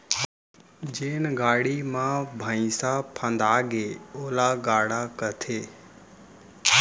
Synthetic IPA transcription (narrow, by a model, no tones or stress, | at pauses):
d͡ʒeːnɡaːɽimãbʱəĩsapʰãnd̪aːɡeːoːlaːɡaːɽakət̪ʰeː